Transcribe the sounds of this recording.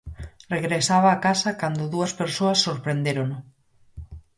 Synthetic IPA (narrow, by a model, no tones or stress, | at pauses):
reɣɾesaβaːkasɐkand̪oðuɐspeɾsoɐsːoɾpɾend̪eɾono